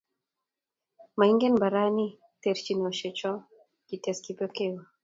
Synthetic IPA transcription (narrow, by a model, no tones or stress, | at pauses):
maiŋɡɛnbaɾani | tɛɾt͡ʃinɔʃɛt͡ʃɔ | kitɛskipɔkɛwa